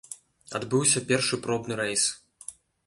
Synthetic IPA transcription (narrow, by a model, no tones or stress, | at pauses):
a̰d̪bɨwsʲɐpʲɛrʂɨpɾɔbnɨɾɛjs